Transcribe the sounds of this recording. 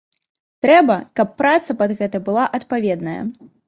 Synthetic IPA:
t̪ɾɛbɐkɐpːɾat̪sɐpɐd̪ɣɛt̪ɐbɨlˠaʔɐt̪pavʲɛd̪nɐjɐ̰

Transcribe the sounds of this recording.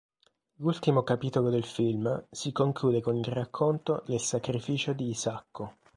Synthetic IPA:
lult̪imokapiːt̪olod̪elfilmsikoŋkluːd̪ekonilrakʰːont̪onelsakɾifiːt͡ʃod̪iːzakːo

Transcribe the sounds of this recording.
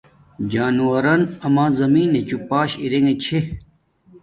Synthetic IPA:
d͡ʑaːnuwɐɾɐnɐmãːzɐmiːnet͡ɕupaːɕiɾeŋet͡ɕʰe

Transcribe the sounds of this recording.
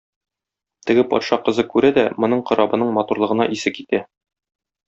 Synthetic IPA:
t̪ɘ̆ɡɘpɒ̰t̪ʃɑqɤ̆zɤkʉɾæd̪æmŏnɤɴqɤ̆ɾɒbɤ̆nɤɴmɒt̪uɾlˠɤ̆ʁɤ̆nɑʔisɘkit̪æ

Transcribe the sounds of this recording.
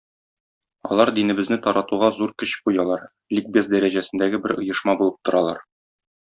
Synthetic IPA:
ɒ̰lˠɑɾd̪inɘ̆bɘ̆znɘt̪ɒɾɑt̪uʁɑzuɾkɵ̆ɕqujɑlˠɑɾ | lʲik̚bʲeszd̪æɾæʑæsɘ̆nd̪æɡɘbɘɾɤ̆jɤ̆ʃmɑbulˠɤp̚t̪ŏɾɑlˠɑ̰ɾ

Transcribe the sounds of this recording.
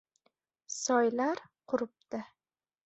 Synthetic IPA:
sɒjlaɾqʰʊɾɪp̚d̪ɪ

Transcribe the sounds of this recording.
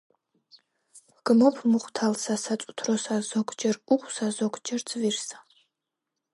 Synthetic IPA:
ɡ̥ɨmopʰmɨχʷtʰalsasat͡sʼʊ̥tʰrosazokʷʰʼd͡ʒɐrukʷʼsazokʷʰʼd͡ʒɐrt͡sʰʼvirsḁ

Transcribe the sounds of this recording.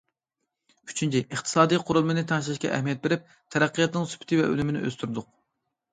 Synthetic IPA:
y̥t͡ʃʰynt͡ʃʰiʔəχt̪ʰɨ̥sɑːd̪ijqʰʊɾulˠmɨnɪt̪ʰɛŋʃlˠɪʃkʲɛ̰ʔɛ̰hmijɛt̪̚beɾɪp̚ | t̪ʰɛɾæqːjɑt̪nɪŋsy̥pʰɪ̥t̪ʰɪvɛ̰ʔø̰lymɪnɪ̰ʔø̰st̪yɾd̪ʊq̚

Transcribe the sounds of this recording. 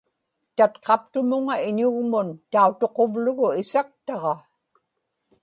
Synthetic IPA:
t̪at̪qɑp̚t̪ʊmʊŋaɪɲʊɣmʊnt̪aut̪o̞qo̞vlʊɣʊɪsak̚t̪ɑʁɑ

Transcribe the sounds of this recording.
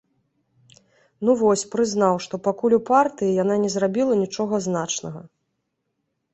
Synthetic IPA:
nuvɔsʲpɾɨznawʂt̪ɔpakulʲupart̪ɨjijananʲɛzrabʲilˠɐnʲit͡ʂɔɣɐznat͡ʂnɐɣɐ̰

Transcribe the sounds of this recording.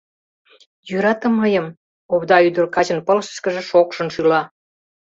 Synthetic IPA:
jyɾɑt̪ə̆mːəjəm | oβd̪ɑyd̪ərkɑt͡ɕə̆npə̆lʃə̥ʃkə̆ʒĕʃokʃə̆nʃylɑ

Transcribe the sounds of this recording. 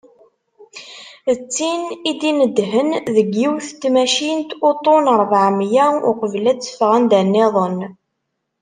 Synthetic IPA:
ət͡sːinid̪inəd̪ɦənðəɡːiwθt̪ːmæʃint̪ot̪ˤonəɾˤvʕmjæʊqəvlæt͡sːə̥fʁænd̪ænːɪðˤən

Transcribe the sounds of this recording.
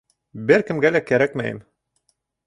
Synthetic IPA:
bɘɾkɘ̆mɡælækæɾækmæ̰jɘ̰m

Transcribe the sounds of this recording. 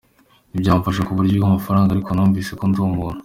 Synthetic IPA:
ibɟaːmufaʃakuβuɾɟiamafaɾaːŋɡaɾikonuːɱviːse̞konzuːmuɾa

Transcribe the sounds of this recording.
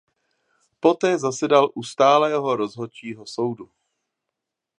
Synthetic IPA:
po̞t̪ɛːzasɛdalʔust̪aːlɛːɦo̞ɾo̞zɦot͡ʃiːɦo̞so̞wdu

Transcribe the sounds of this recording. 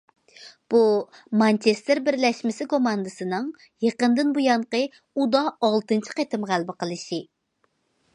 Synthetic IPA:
b̥umɑnt͡ʃʰest̪ɪɾbɪɾlɛʃmɪsɪkomɑnd̪ɨsɨnɨŋ | jeqənd̪ɨnbujɑɴqə | ud̪ɑːlˠt̪ɨnt͡ʃʰi̥qet̪ʰɪmʁælbɪqʰəlˠɨʃi

